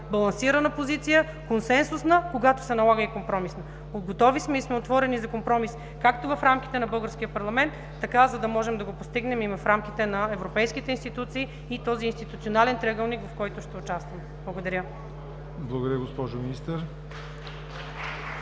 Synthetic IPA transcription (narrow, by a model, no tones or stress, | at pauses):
bɐlˠɐnsiɾɐnəpozit̪sijə | konsɛnsusnəkoɡat̪o̥sɛnɐlˠaɡəikompɾɔmisnɐ | od̪ɡot̪ɔvismɛismɛot̪vɔɾɛnizɐkompɾɔmis | kakt̪ovɐfɾamk̟i̥t̪ɛnɐbɤlˠɡəɾsk̟ijəpɐɾlˠɐmɛnt̪ːɐkazɐd̪ɐmɔʒɛmd̪ɐɡopost̪iɡnɛmivɐfɾamk̟it̪ɛnɐɛvɾopɛjskit̪ɛinst̪it̪ut̪siː | it̪ɔziːnst̪it̪ut̪sionalɛnt̪ɾɛɡəlˠnikvɐfkɔjt̪ʊʃt̪ɛʊt͡ʃast̪vɐmɛ | blˠɐɡod̪ɐɾʲə | blˠɐɡod̪ɐɾʲjəɡospɔʒominist̪əɾ